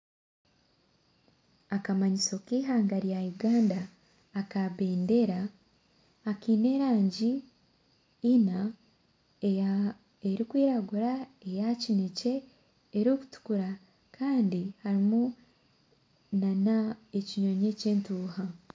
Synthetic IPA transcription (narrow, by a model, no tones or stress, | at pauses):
akamaɲiso̞kiːɦaːŋɡaɾjajuɡaːndaː | kaβe̞ːnde̞ɾaː | kiːne̞ɾaːɲɟi | na | eɾikwiːɾaɡuɾaejacinece̞ː | ɾuku̥tu̥kuɾa | kʰaːndihaɾimu | nanae̞ciɲo̞ɲe̞ceːntuːha